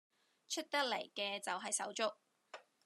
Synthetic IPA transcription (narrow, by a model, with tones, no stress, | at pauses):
t͡ʃʰɵ˥t̚t̪ɐ˥k̚le˨˩jkɛː˧t͡sɐ˨wɦɐ˨jsɐ̰˨˥wt͡sʊ˥k̚